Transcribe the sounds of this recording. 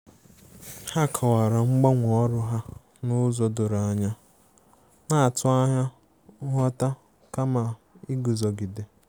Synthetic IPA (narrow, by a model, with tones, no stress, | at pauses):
ha˦kʰɔ˨wa˨ɾa˨ŋ͡m̩˦ɡ͡ba˦ŋʷɔ˨ɔ˦ɾʊ˦ɦa˦ | nʊ˦zɔ˨dʊ˨ɾa˨ɲa˦ | na˨a˨tʊ˦a˦ɦa˦ | ʊ˦ɦɔ˦ta˦ | ka˦ma˨ | ɪ˦ɡu˨zɔ˨ɡi˨de˨